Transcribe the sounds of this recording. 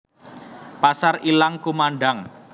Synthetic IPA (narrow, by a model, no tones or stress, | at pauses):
pasarilaŋkumaɳɖaŋ